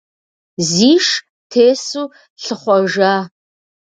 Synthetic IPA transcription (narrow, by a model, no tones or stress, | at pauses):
ziːʃ | tʰeːsuː | ɬɨχʷɔʒaː